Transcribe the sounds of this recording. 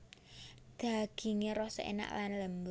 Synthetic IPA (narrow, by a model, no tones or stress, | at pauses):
d̪̥a̤ɡ̥i̤ŋeɾɔsḛna̰ʔlanlɛmb